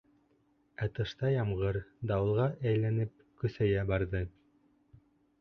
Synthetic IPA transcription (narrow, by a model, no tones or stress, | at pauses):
æt̪ɤ̆ʃt̪ɑjɑmʁɤɾd̪ɑwɤ̆lˠʁɑʔæjlænɘp̚ | kɵ̆θæjæbɑɾðɤ